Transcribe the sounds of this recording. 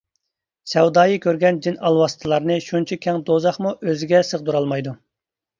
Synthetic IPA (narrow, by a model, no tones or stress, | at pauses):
sɛwd̪ɑːjikʲʰøɾɡʲɛnd͡ʒinɑlˠwɑsɨ̥t̪ʰɨlˠɑɾnɨʃunt͡ʃʰikʲʰɛŋd̪ozɑχmuʔøzɪɡʲɛsəʁd̪uɾɑlˠmɑjd̪u